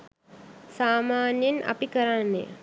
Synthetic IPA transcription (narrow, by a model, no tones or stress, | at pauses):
saːmaːnjenʔa̰pikəɾanːḛ